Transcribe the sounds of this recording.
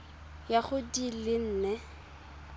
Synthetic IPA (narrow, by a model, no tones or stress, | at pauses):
jaχʊdilɪn̩ːnɛ